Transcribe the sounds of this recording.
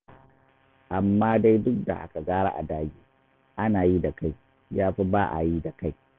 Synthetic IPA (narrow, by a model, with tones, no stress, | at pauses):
ʔa˨mːaː˦da˦jdʊ˦k̚da̰˨ʔa̰˦ka˨ɡaː˦ɽa̰˦ʔa̰˨daː˦ɡʲiː˦ | ʔa˦naː˨ji˦da˨ka˦j | jaː˦ɸi˦baː˦ʔa̰˨ji˦da˨ka˦j